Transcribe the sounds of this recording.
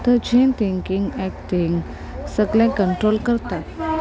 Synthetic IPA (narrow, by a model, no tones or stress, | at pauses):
t̪əd͡ʑẽnt̪ʰiŋkiŋɡɛk̚t̪ʰiŋɡ | səɡlɛ̃kəɳʈɾolkəɾt̪at̪